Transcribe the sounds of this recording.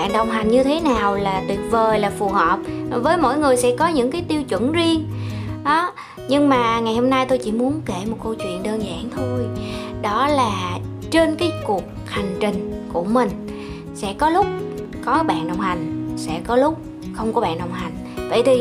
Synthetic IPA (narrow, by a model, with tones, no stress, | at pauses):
ɓa̰ː˧˨nɗə˨˩wŋ͡mɦa˨˩jŋ̟ɲɨ˧t̪ʰe˨˦naː˨˩wlaː˨˩t̪wi˨˩ət̚vəː˨˩jlaː˨˩fu˨˩həː˨˩p̚vəː˨˦jmo̰˧˥˨jŋɨ˨˩əjsɛ̰˧˥kɔ˨˦ɲɨ̰˧˥ŋkaː˨˦jt̪i˧əwt͡ɕwə̰˧˥nzi˧əŋɗɔ˨˦ | ɲɨ˧ŋmaː˨˩ŋa˨˩jho˧mna˧jt̪o˧jt͡ɕḭ˧˥mu˨˦ənke˧˩mo˨˩t̚ko˧wt͡ɕwḭ˧˨ənɗəː˧nza̰ː˧˨nt̪ʰo˧jɗɔ˨˦laː˨˩ | t͡ɕe˧nkaː˨˦jku˨˩ək̚ha˨˩jŋ̟t͡ɕï˨˩ŋ̟ku˧˩əmï˨˩ŋ̟ | sɛ̰˧˥kɔ˨˦lʊ˦˥k͡p̚ | kɔ˨˦ɓa̰ː˧˨nɗə˨˩wŋ͡mha˨˩jŋ̟sɛ̰˧˥kɔ˨˦lʊ˦˥k͡p̚ | xə˧wŋ͡mkɔ˨˦ɓa̰ː˧˨nɗə˨˩wŋ͡mɦa˨˩jŋ̟ | və̰˧˨jt̪ʰi˨˩